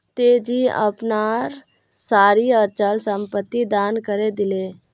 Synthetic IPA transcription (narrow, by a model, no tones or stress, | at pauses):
t̪eːd͡ʒiə̰pnaːɾ | saːɾiət͡ʃəlsə̃mpət̪ːid̪aːnkəɾed̪ɪleː